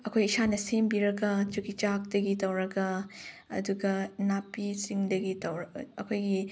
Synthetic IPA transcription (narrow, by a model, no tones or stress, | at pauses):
ɐkʰojisanɐsembiɾɐɡɐt͡ʃukit͡ʃak̚dɐɡitɐwɾɐɡɐ | ɐ̰duɡɐnapːisiŋdɐɡitɐwɾɐɐkʰojɡi